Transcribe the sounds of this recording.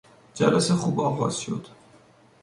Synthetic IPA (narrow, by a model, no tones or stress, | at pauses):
d͡ʒæ̰læsexuːbɒːɣɒ̰ːz̥ʃo̞̰d̪̥